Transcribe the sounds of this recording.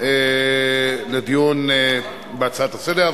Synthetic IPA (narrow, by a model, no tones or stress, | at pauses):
e | led̪ijun | beat͡sat̪ased̪e